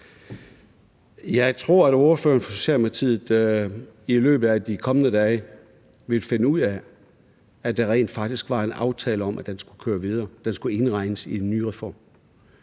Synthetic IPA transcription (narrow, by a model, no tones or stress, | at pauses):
jɑ̈ɪt͡sʰʁo̝ɐ̰ædo̝ɐfø̰ːɐnfɒ̽so̝̥ɕɛ̰ːlpʰɑ̈t͡sʰiðð̩ˠ | ilø̰ːb̥ð̩ˠæd̥ikʰɒ̽mənəd̥ɛː | ʋe̝lfenəuð̰ˠæ | æd̥ɑ̈ʁɛ̰ɪ̰nd̥fɑ̈ɡ̥d̥isɡ̥ʋɑ̈e̝nɑ̈ʊt͡sʰɛːləɒ̽mʔæd̥ensɡ̥ukʰøːɐʋið̞ˠɐːd̥ensɡ̥ue̝nʁɑ̈ɪ̰nəsienːy̰ːʁɛfɒ̰ːm